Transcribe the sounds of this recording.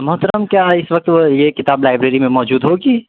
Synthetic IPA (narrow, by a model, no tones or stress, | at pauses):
mɐɦʊt̪ɾamkjaːɪsʋɐk̚t̪ʋojekɪt̪aːblaːɪbɾeːɾimẽmɔːd͡ʒuːd̪ɦoːɡiː